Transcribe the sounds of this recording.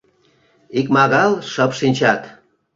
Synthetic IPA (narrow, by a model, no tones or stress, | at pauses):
ikmɑɣɑlʃəpʃinʲt͡ɕɑt̪